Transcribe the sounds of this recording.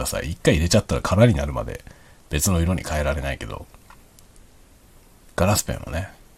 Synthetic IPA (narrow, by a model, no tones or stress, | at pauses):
asa̰iikːaiɾe̞t͡ɕat̪ːaɾakʰaɾaɲ̟inaɾɯ̟ma̰d̪e̞̰b̥e̞t͡sɨno̞iɾo̞ɲ̟ḭkʰae̞ɾaɾe̞naike̞d̪o̞̰ | ɡ̥aɾasɨ̥pẽ̞̰ɰ̃ːo̰ne̞